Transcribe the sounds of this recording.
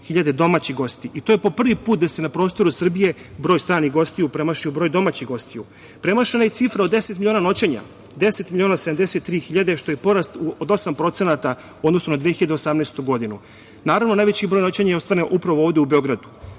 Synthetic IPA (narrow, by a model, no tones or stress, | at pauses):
xiʎad̪e̞d̪o̞maːt͡ɕiɣɡo̞st̪iʔit̪ojepo̞pr̩ʋipuːt̪̚d̪ase̞napɾost̪o̞ɾusr̩bije̞bɾoːjst̪ɾaːniɣɡo̞st̪ijupɾe̞maʃiubɾo̞ːjd̪o̞maːt͡ɕiɣɡo̞st̪iju | pɾe̞maʃenajet̪sifɾao̞d̪ːe̞set̪miʎʲonano̞t͡ɕeɲa̰ | d̪eset̪milʎʲionased̪amd̪eset̪ːɾiːxiʎad̪e̞ʃt̪o̞jepo̞ɾast̪uod̪o̞sampɾo̞t̪senat̪a | od̪no̞sunad̪ʋijeiʎad̪eosamneːst̪uɡo̞d̪inu | naːɾavnonajʋet͡ɕibɾo̞jno̞t͡ɕeɲajeo̞st̪ʋaneʔupɾaʋooːʋd̪eubeo̞ɡɾad̪u̥